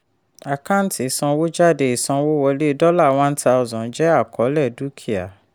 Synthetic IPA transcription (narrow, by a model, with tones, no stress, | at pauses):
a˨ka˦n˨˦ti˨˦˨sɔ̃˧wo˦d͡ʒa˦˨de˧˨i˨sɔ̃˧wo˦wɔ˧le˦dɔ˦la˦˨w̃ã˦n̩˦ta˧ʊ˧zɔ̃˨˦d͡ʒɛ˦a˦˨kʰɔ˨˦lɛ˦˨du˦kʰi˦a̰˨